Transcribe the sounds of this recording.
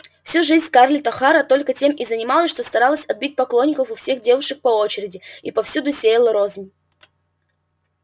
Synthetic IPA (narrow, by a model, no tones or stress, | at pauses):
fsʲuʐɨzʲnʲkarlʲɪt̪ɐxaɾət̪o̞lʲkətʲe̞mʔizənʲɪmalˠəsʲʂt̪ost̪ɐɾalˠəsʲɐd̪̚bʲit̚ʲpɐklˠonʲːɪkəfʊfsʲe̞xdʲe̞vʊʂɨk̚pɐo̞t͡ɕɪɾʲɪdʲɪipɐfsʲud̪ʊsʲejəlˠəɾozʲɪnʲ